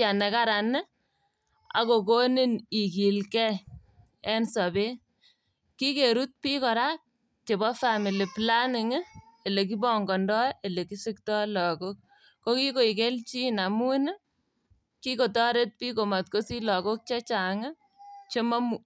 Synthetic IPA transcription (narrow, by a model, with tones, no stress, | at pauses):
a˨ne˨ka˦ɾa˨n˦ | a̰˨ko˨ko˦ni˦ni˨ki˨lkɛ˦ | ɛ˦nsa˨be˦ | ki˦ke˨ɾu˦t̚pi˦kɔ˨ɾa˦k̚ | t͡ʃe˨bɔ˦fami˨li˨pla˦nɪ˨ŋ˦ | e˨le˨k̬i˦bɔ˦˨ŋɡɔ˨ndɔ˦e˨le˨ki˦sɪ˦k̚tɔ˦lɔ˨ko˦k̚ː | o˦ki˦ko˨i˨k̬e˦lt͡ʃi˦na˨mu˦n˦ | ki˦ko˨tɔ˦ɾe˦t̚pi˦ko˨ma˨t̚ko˦si˦lɔ˨ko˦k̚t͡ʃa˦t͡ʃa˨ŋa˦ | t͡ʃe˦ma˦mu˨